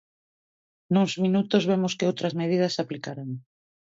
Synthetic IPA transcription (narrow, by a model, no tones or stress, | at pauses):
nuŋzminut̪ozβemoskɪowt̪ɾɐzmeð̞iðɐsaplikaɾaŋ